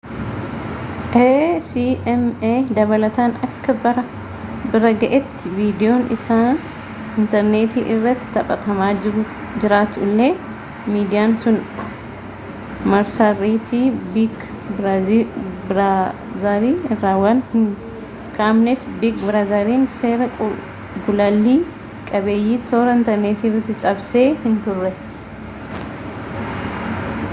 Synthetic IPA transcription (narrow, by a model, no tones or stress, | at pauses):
ʔesiʔɛmeːd̪ɐβɐlɐt̪aːnɐkːɐbɐɾɐ | bɪɾɐɡɐʔɛt̪ːɪviːd̪ɪjoːnʔɪ̰saː | ɪnt̪ɐɾneːt̪iːʔɪrːɐt̪ːɪ̥t̪ɐpʼːɐt̪ɐmaːɪɾʊ | d͡ʒɪɾaːt̪ʊlːeː | miːd̪ɪjaːnsʊn | mɐɾsariːt̪iːbik | bɾ | bɾa | zɐɾiːɪrːaːwɐnhɪŋ | kʰaːmnɛfbikbɾazɐɾiːnse̞ːɾɐ | ɡʊlɐlːiː | kʼɐbeːjːiːt̪oːɾɐɪnt̪ɐɾneːt̪iːrːɐt̪ːɪt͡ʃʼɐbse̞ːhɪnt̪ʊrːɛ